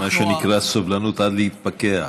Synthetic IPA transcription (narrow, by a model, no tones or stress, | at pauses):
aʃenikʁasavlanut̪ʔad̪lehit̪̚pakea